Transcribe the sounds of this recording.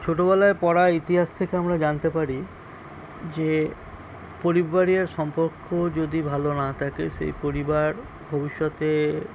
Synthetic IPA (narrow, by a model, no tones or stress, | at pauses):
t͡ɕʰoʈoβɛlaepɔɾait̪iɦaʃt̪ʰekeamɾad͡ʑant̪epaɾi | d͡ʑe | poɾibbaɾieɾʃɔmpoɾkʰːod͡ʑod̪ibʱalonat̪ʰakeʃḛjpoɾibaɾ | bʱobiʃːɔt̪e